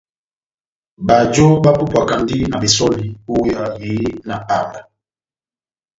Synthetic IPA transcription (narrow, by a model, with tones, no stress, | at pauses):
ba˨d͡ʒo˦ba˦pu˦pa˨ka˨ndi˦na˨bi˨sɔ˦li˨u˦ja˨mi˨˦i˦na˨ʔa˦˨ŋ˨a˨